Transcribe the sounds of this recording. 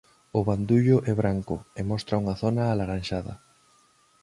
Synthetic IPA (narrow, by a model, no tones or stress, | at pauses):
ʊβand̪uʎʊʔɛβ̞ɾaŋkʊemɔst̪ɾɐuŋɐθonaːlaɾanʃaðɐ̰